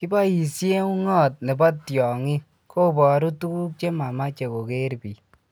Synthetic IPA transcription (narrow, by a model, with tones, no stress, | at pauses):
ki˦bɔ˦ji˨sje˦u˦ŋɔ˦t̚ne˨bɔ˦tjɔ˨ŋi˦ | kʰo˦bɔ˨ɾu˦tu˦ku˦k̚t͡ʃe˦ma˨ma˦t͡ʃe˨ko˨ke˦ɾbi˨